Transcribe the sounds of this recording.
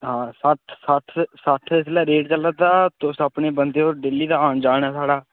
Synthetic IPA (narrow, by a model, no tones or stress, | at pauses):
ɦãːsəʈʰsəʈʰsəʈʰɪslɛːɾeːʈ̚t͡ʃəlːəd̪aːt̪ʊsəpɳeːbənd̪eːoːɾɖeːliːd̪aːaːnd͡ʒaːɳɛːsaːɽaː